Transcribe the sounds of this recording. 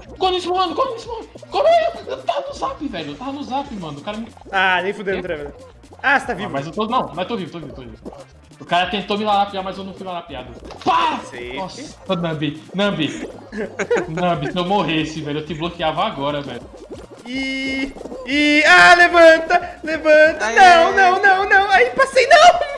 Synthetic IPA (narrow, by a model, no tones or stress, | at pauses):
kõd̪ʊismɐ̃mɐ̃nd̪ʊkõd̪ismɐ̃kõmewt̪avɐnʊzapɪvɛʎʊewt̪avɐnʊzapɪmɐ̃ʊkaɾɐmianẽj̃fud̪ẽʊt̪ɾɐ̃vẽ | ast̪avivvmɐjzewt̪onɐ̃w̃mɐ̃zt̪ovivot̪ovivewt̪ovivḭv | ʊkaɾɐt̪ẽnt̪omɪlaɾapiamɐjzewnɐ̃w̃fujlaɾapia̰d̪ɐpanɔsɐnɐ̃binɐ̃bi | nɐ̃bisewmoɦesɪvɛʎʊewt̪ɪblokiavɐaɡɔɾɐvɛ̰ʎʊ | i | ialevɐ̃t̪ɐlevɐ̃t̪ɐnɐ̃w̃nɐ̃w̃nɐ̃w̃nɐ̃w̃aipasejnɐ̃w̃